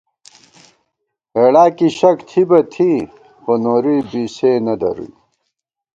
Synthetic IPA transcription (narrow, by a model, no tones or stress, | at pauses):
eːɽaːkiɕɐkt̪ʰibɐt̪ʰi | xonoːɾibiːseːnɐd̪ɐ̰ɾṵj